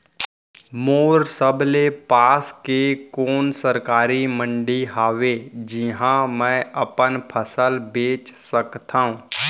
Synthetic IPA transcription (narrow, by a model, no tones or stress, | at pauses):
moːɾsəblepaːskekoːnsəɾkaːɾimə̃ɳɖiɦaːʋed͡ʒɪɦãmɛ̃ɐpənpʰəsəlbeːt͡ʃsəkt̪aːɦũː